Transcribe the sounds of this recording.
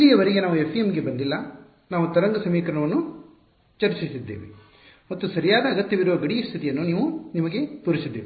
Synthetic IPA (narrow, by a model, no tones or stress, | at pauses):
ijɐʋɐɾeɡenaːʋue̞pʰːijemɡe̞bɐnd̪ilːɐ | naːʋut̪ɐɾɐŋɡɐsɐmiːkɾɐɳɐʋɐnːu | t͡ʃɐɾt͡ʃisid̪ːeːʋḭ | mɐt̪ːusɐɾijaːd̪ɐːɡɐt̪jɐʋiɾuʋɐɡɐɽijɐst̪ʰit̪ijɐnːuniːʋunimɐɡe̞t̪uːɾisid̪ːeːʋi